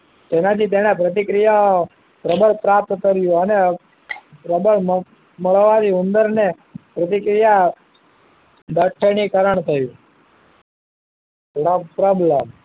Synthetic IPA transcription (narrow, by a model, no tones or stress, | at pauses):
d͡ʒ̪enat̪ʰit̪̬enapɾət̪̬ikɾijao | pɾəbəɭpɾap̚t̪kəɾjũəne | pɾəbəɭm | məɭʋaɾiund̪əɾne | pɾət̪ikɾija | d̪ʱəʈʰːenikəɾəɳt̪ʰəjũ | pɾəpɾəbləm